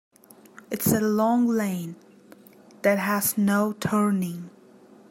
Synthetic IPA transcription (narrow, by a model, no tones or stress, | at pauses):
ɨtsɨlɔ̃ŋlẽɪ̃n | ðɨt̚ɦəznoʊtʰɜ˞nɪ̃ŋ